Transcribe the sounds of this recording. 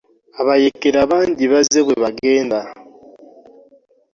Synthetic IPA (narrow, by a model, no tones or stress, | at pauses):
aβajekeɾaβaːɲɟiβaze̞βweβaɡe̞ːnda